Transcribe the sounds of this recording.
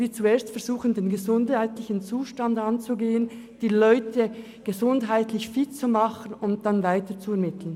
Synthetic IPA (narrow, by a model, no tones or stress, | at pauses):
viːt͡sueːɐstfɛɐɾz̥uːχən̩deːnɡəzʊndhaɪtlɪçən̩t͡suːʃtandant͡suɡeːən | d̥iːlɔʏtʰə | ɡ̥ezʊndɦaɪtlɪçfɪt̚t͡sumɑχənʊnt̚d̥anvaɪtət͡suɛɐmɪtl̩ən